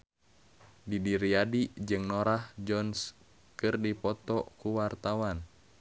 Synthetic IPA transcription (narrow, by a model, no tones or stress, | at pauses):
didiɾiadid͡ʒɨŋnoɾahd͡ʒɔns | kɨrdipɔt̪ɔkuwart̪awan